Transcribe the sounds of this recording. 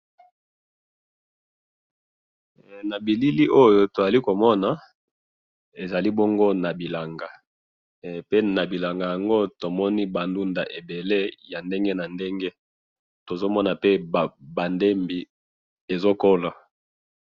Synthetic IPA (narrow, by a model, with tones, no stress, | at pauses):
na˨bi˨li˦li˦ʔo˦jo˦to˨za˨li˦ko˨mɔ˦na˨ | e˨za˨li˦bo˦ŋɡo˦na˨bi˨la˨ŋɡa˨ | pe˦na˨bi˨la˨ŋɡa˨ja˨ŋɡo˦to˨mɔ˦ni˦ba˨ndu˦nda̰˨ʔe˨be˨le˦ja˨nde˦ŋɡe˦na˨nde˦ŋɡe˦ | to˨zo˦mɔ˦na˨pe˦˨ba˨nde˦mbi˨ | e˨zo˦ko˦la˨